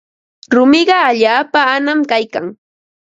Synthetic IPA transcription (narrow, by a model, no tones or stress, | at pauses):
ɾʊmɪɢɑaʎaːpaːnamkajkaŋ